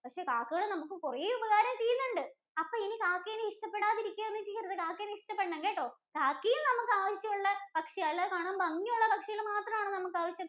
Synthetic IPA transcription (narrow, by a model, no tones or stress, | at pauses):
pɐkʂe̞ːkaːkːɨɣɐɭɨnɐmukːɨkureːubɐɣaːɾɐmt͡ɕejːunːuɳɖɨ | ɐpːoːinikaːkːeːnːɨiʂʈɐpːeɽaːðiɾikʲːuɐenːɨt͡ɕejɐɾɐðɨkaːkːeːnːiʂʈɐpːeɳːɐŋɡeːʈːo̞ːkaːkːijumnɐmukːɨaːʋɐɕjɐmuɭːɐpɐkʂɐjaːlːɐkaːɳaːmbɐŋːimuɭːɐpɐkʂɐjilmaːt̪rɐmaːɳɨnɐmukːaːʋɐɕjɐm